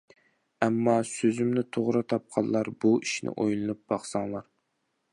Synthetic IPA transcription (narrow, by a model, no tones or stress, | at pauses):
ɛmːɑsøzymnɪt̪ʰoʁɾɨt̪ʰɑp̚qʰɑlːˠɑɾbuiʃnɪ̰ʔojlˠɨnup̚bɑχsɑŋlˠɑɾ